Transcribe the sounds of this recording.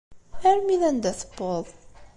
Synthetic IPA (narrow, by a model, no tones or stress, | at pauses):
æɾmiðænd̪æθə̥bːoðˤ